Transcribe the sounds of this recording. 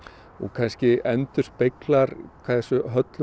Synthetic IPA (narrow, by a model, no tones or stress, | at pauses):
ɔ̰ɣkʰanscɪɛnt̪ʏr̥spejklaɾkʰvaðθɛsʏɦœt̪l